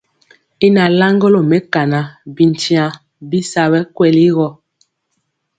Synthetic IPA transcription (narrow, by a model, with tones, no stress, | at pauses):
i˦na˨la˦ŋɡo˦lo˨mɛ˦ka˨na˨bi˨n˨ti˦ã˨ | bi˦sa˨βɛ˦kwɛ˨li˦ɣɔ˨